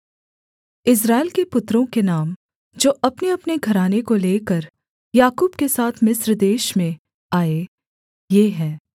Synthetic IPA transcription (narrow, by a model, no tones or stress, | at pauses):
ɪs̬ɾaːɪlkepʊt̪ːɾõkenaːm | d͡ʒoːʔɐpneɐpneɡʱɐɾaːnekoleːkəɾ | jaːkuːbkesaːt̪ʰmɪsɾd̪eːʃmẽ | aːe | jeːɦɛ̃ː